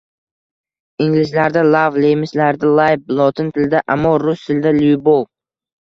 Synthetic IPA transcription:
ɪŋlɪʃlaɾd̪alˠavlejmɪslaɾd̪alˠajblˠɒt̪ʰɪnt̪ʰɪld̪aʔamːɒɾʊst̪ʰɪld̪aljbolˠ

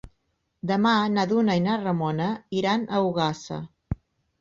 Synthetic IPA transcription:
d̪əmanaðunəinarəmɔnəiɾanəuɣasə̰

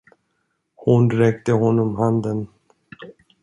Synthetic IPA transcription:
hʊnɾɛkt̪əɦɔnːɔmɦand̪ən

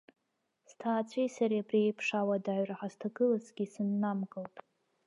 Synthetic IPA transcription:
stʰaːt͡sʷʰijsaɾijabʼriejpʰʂawadaɥraħastʰaɡɨlazɡʲisɨnːamɡʼɨltʼ

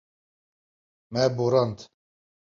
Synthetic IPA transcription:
mɛboɾɑnt̪

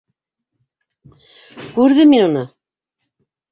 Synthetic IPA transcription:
kʉɾðɘminunɤ

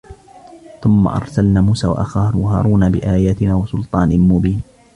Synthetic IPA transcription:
θʊmːa̰ʔɑ̰ɾˤsalnaːmuːsaːwa̰ʔaxaːɾha̰ːɾˤuːnabɪʔaːjaːt̪ɪnaːwɑsʊlt̪ˤɑːnɪmʊbiːn

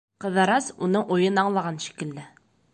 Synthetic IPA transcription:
qɤ̆ðɑɾɑsunɤɴʔujɤnɑɴlˠɑʁɑnʃi̥kɘ̆ld̪ɘ

